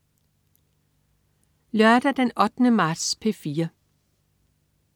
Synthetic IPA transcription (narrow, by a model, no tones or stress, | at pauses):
lœɐd̥æd̥enɒ̽d̥nəmɑ̈ːd̥spʰefiːɐ